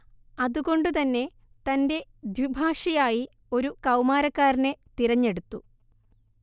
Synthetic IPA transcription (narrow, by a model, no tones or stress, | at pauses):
ɐðuɣo̞ɳɖɨt̪ɐnːe̞ | t̪ɐnde̞d̪ʋibʱaːʂɐjaːji | o̞ɾukɐwmaːɾɐkːaːɾinet̪iɾɐɲːe̞ɽut̪ːu